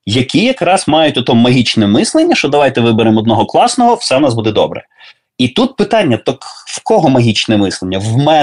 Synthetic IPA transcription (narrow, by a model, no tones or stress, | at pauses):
jɐkʲijɐkɾɑsmɑjʊtʲɔt̪ɔmɐɦʲit͡ʃnɛmɪslˠenʲːɐʃt͡ʃɔd̪ɐʋɑjt̪ɛʋɪbeɾɪmɔd̪nɔɦɔklˠɑsnɔɦɔwsɛnɑsbud̪ɛd̪ɔ̰bɾɛ̰ | it̪ut̪̚pɪt̪ɑnʲːɐt̪ɔkwkɔɦɔmɐɦʲit͡ʃnɛmɪslˠenʲːɐwmɛ